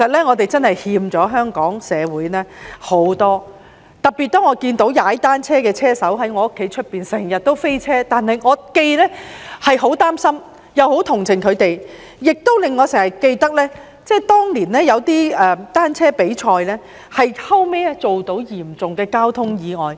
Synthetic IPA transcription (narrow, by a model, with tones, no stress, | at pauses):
sɐ˨t̚lɛː˥ŋɔː˨˧t̪e˨jt͡sɐ˥nhɐ˨jhiː˧mt͡sɔː˨˥ɦœː˥ŋkɔː˨˥ŋsɛː˨˧wuː˨˥jnɛː˥ho˨˥wt̪ɔː˥ | t̪ɐ˨˩p̚piː˨t̚t̪ɔː˥ŋɔː˨˧kiː˧nt̪o˨˥wjaː˨˥t̪aː˥nt͡sʰɛː˥kɛː˧t͡sʰɛː˥sɐ˨˥wɦɐ˨˥jŋɔː˨˧ʊ˥kʰːe˨˧˥jt͡ʃʰɵ˥t̚piː˨˩nsɛː˨˩ŋjɐ˨t̚t̪o˥wfe˥jt͡sʰɛː˥t̪aː˨nɦɐ˨jŋɔː˨˧ke˧jlɛː˥hɐ˨jɦo˨˥wt̪aː˥msɐ˥m | jɐ˨˧who˨˥wt̪ʰʊ˨˩ŋt͡sʰɪ˨˩ŋkʰɵ˨˧ɥt̪e˨j | jɪ˨k̚t̪o˥wlɪ˨ŋːɔː˨˧sɛː˨˩ŋjɐ˨˩t̚ke˧jt̪ɐ˥k̚lɛː˥ | t͡sɛː˥t̪ɔː˥ŋliː˨˩nlɛː˥jɐ˨˧wt̪iː˥ɛː˨t̪aː˥nt͡sʰɛː˥pe˨˥jt͡ʃʰɔː˧jlɛ˥ | hɐ˨jhʰɐ˥wmɛː˥t͡so˨wt̪o˨˥wjiː˨˩mt͡sʊ˨ŋkɛː˧kaː˥wt̪ʰʊ˥ŋjiː˨˧ŋɔː˨j